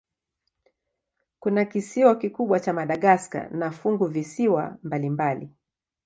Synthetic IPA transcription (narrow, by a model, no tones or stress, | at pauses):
kunakisiwakikuɓwat͡ʃamaɗaɠaska̰nafuŋɡuvisiwa̰mbalimbalḭ